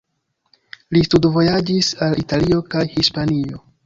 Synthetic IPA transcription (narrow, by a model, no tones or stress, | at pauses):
listudvo̞jad͡ʒisalitalio̞kajhispanio̞